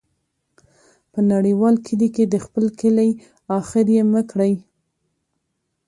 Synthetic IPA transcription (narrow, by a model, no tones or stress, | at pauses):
pənaɽiwɑlkʰɪliked̪əxpəlkɪlaj | ɑxɪɾjeməkɽəj